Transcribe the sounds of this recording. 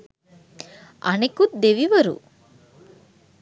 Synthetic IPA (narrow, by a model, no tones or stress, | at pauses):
ɐ̰nekut̪̚d̪eʋiʋɐɾṵ